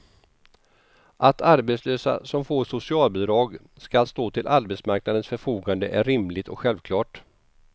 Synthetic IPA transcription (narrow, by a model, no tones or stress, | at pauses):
ʔat̪ʰaɾbɛt̪sløːsa̰sɔmfoːʂʊsɪɑːlbɪd̪ɾɑːɡ | skalst̪oːt̪ʰɪlʔaɾbɛt̪smaɾknad̪ənsfœɾfuːɡand̪ə̰ʔæɾɪmlɪt̪ɔ̰kɧɛlvkʰlɑːʈ